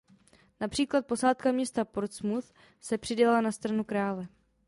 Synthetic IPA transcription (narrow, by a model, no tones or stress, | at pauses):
napr̝̥iːklat̪̚po̞saːt̪kamɲɛst̪apoɾt̪smuθ | sɛpr̥ɪɟɛlɛlanast̪ɾanukɾaːlɛ